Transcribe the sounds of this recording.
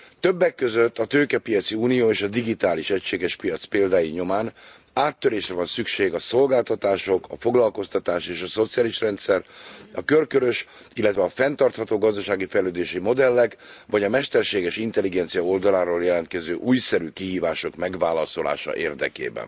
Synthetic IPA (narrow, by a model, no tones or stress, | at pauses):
t̪ø̞bːɛkːø̞zøt̪ːɒt̪øːkɛpijɒt̪siuːnijoːeːʃɒd̪iɡit̪aːliʃɛcʃeːɡɛʃpijɒt̪speːld̪aːjiɲo̞maːn | aːt̪ːøɾeːʃrɛvɒnsykʃeːɡɒso̞lɡaːlt̪ɒt̪aːʃo̞kɒ̰fo̞ɡlɒlko̞st̪ɒt̪aːʃeːʃɒso̞t̪sijaːliʃrɛnt̪sɛrɒkørkøɾø̞ʃ | ilːɛt̪vɛɒfɛnt̪ɒrt̪hɒt̪oːɡɒzd̪ɒʃaːɡifɛjløːd̪eːʃimo̞d̪ɛlːɛkʋɒɟɒmɛʃt̪ɛrʃeːɡɛʃint̪ɛliɡɛnt̪sijɒo̞ld̪ɒlaːɾoːljɛlɛnt̪̚kɛzøːʔuːjsɛɾykiɦiːvaːʃo̞kmɛɡʋaːlɒso̞la̰ːʃɒ̰ʔeːrd̪ɛ̰kḛːbɛ̰n